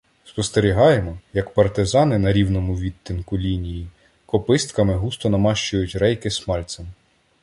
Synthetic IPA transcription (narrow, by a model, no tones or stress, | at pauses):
spɔst̪eɾʲiɦɑjemɔjɐkpɐrt̪ɪzɑnɪnɐɾʲiwnɔmʊʋʲit̪ʲːɪnkʊlʲinʲiji | kɔpɪst̪kɐmɪɦust̪ɔnɐmɑʃt͡ʃʊjʊtʲrɛjkɪsmɑlʲt̪sɐm